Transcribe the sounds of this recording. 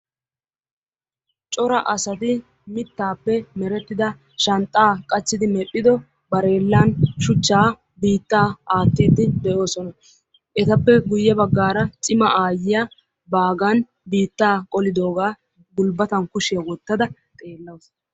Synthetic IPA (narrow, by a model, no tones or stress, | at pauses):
t͡ʃʼɔɾɐʔɐsɐt̪ɪ | mɪt̪ːaːpːɛmɛɾɛt̪ːɪd̪ɐ | ʃɐnt̪ʼːaːkʼɐt͡ʃːɪd̪ɪmɛpʼːɪd̪ɔ | bɐɾe̞ːlːanʃʊt͡ʃːaː | biːt̪ːaːaːt̪ːiːd̪ɪd̪ɛʔo̞ːsɔnɐ | ʔɛt̪ɐpːɛɡʊjːɛbɐɡːaːɾɐt͡sʼɪmɐʔaːjɪjɐ | baːɡɐn | biːt̪ːaːkʼɔlɪd̪o̞ːɡaː | ɡʊlbɐt̪ɐnkʊʃɪjɐwɔt̪ːɐd̪ɐt̪ʼe̞ːlːɐws